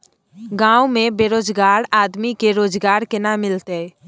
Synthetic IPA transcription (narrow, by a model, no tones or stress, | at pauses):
ɡãːwmẽbeːɾoːd͡ʒɡaːɾaːd̪mikeɾoːd͡ʒɡaːɾkenamɪlt̪e